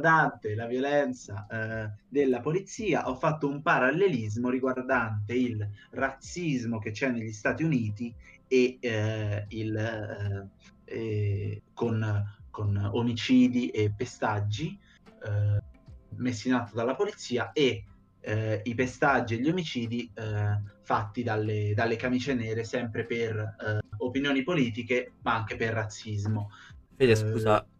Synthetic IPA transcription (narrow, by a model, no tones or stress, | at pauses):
d̪ant̪elavjolɛnt̪sa | d̪elːapolit̪siːaʔɔfːat̪ːoumpaɾalːelizmoɾiɡward̪ant̪eilrat̪sːizmok̟et͡ʃːɛnːeʎːist̪aːt̪iuniːt̪ie | il | konkonomit͡ʃiːd̪iʔepːest̪ad͡ʒːi | mesːinat̪od̪alːapolit̪sːiːae | ipest̪ad͡ʒːieʎːiomit͡ʃiːd̪i | fat̪ːid̪alːed̪alːekamit͡ʃenɛːɾesɛmpɾeperopinjoːnipoliːt̪̬ikemaaŋk̟eperːat̪sːizmofeskuːza